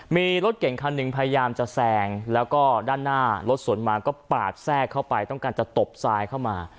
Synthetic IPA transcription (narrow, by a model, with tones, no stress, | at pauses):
miː˧ɾo˦˥t̪̚ke˨˩˦ŋkʰa˧nːɯ˨ŋpʰa˧ja˧jaː˧mt͡ɕa˨˩sɛː˧ŋlɛː˦˥wkɔː˥˩daː˥˩nːaː˥˩lo˦˥t̪̚su˨˩˦ənmaː˧kɔː˥˩paː˨˩t̪̚sɛː˥˩kʰːa˥˩wpa˧jt̪ɔ˥˩ŋkaː˧nt͡ɕa˨˩t̪o˨˩p̚saː˧jkʰa˥˩wmaː˧